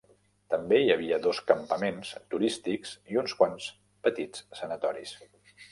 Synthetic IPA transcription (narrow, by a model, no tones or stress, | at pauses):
t̪əmbeiəβ̞iəðoskəmpəmenst̪uɾist̪ikziunskwans | pət̪it͡ssːənət̪ɔɾḭs